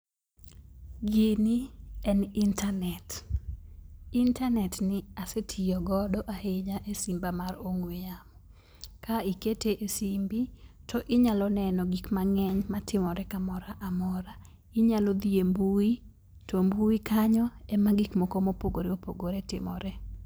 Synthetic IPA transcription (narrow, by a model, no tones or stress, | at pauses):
ɡɪniɛnintanɛt | intanɛtnɪasetʰijɔɡɔdɔʔaheɲaʔesimbamaɾoŋwɪamɔ | kaiketeʔesimbitʰɔʔɪɲalɔnɛnɔɡikmaŋɛɲmatɪmɔɾɛkamɔɾaʔamɔɾa | ɪɲalɔd̪iembui | tɔmbuikaɲɔɛmaɡikmɔkomopoɡoɾeopo̰ɡoɾɛtɪ̰mɔ̰ɾɛ